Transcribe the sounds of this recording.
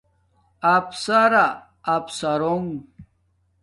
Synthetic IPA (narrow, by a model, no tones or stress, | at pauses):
ɐpsaɾaː | psaɾoŋ